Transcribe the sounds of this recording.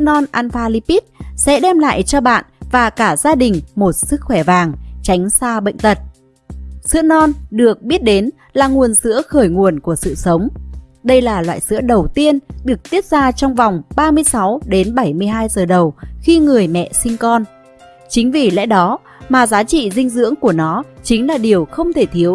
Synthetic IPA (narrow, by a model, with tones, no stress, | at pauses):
ɨ˧˥ənɔ˧nʔaː˧nfaː˧li˧pi˦˥t̚sɛ̰˧˥ɗɛ˧mla̰ː˧˨jt͡ɕɔ˧ɓa̰ː˧˨nvaː˨˩kaː˧˩zaː˧ɗï˨˩ŋ̟mo˨˩t̚sɨ˦˥k̚xwɛ˧˩vaː˨˩ŋt͡ɕa˨˦jŋ̟saː˧ɓə̰˧˨jŋ̟t̪ə˨˩t̚ | sɨ̰˧˥ənɔ˧nɗɨ˨˩ək̚ɓi˦˥t̚ɗe˨˦n | laː˨˩ŋu˨˩ənsɨ̰˧˥əxəː˧˩jŋu˨˩ənku˧˩əsɨ̰˧˨sə˨˦wŋ͡mɗə˧jlaː˨˩lwa̰ː˧˨jsɨ̰˧˥əɗə˨˩wt̪i˧ənɗɨ˨˩ək̚t̪i˦˥ət̚zaː˧t͡ɕɔ˧wŋ͡mva˨˩wŋ͡mɓaː˧mɨ˧əjsa˨˦wɗe˨˦nɓa˧˩jmɨ˧əjɦaː˧jzəː˨˩ɗə˨˩wxi˧ŋɨ˨˩əjmɛ̰˧˨sï˧ŋkɔ˧n | t͡ɕï˨˦ŋ̟vi˨˩lɛ̰˧˥ɗɔ˨˦ | maː˨˩zaː˨˦t͡ɕḭ˧˨zï˧ŋ̟zɨ̰˧˥əŋku˧˩ənɔ˨˦t͡ɕï˨˦ŋ̟laː˨˩ɗi˨˩əwxə˧wŋ͡mt̪ʰe˧˩t̪ʰi˨˦əw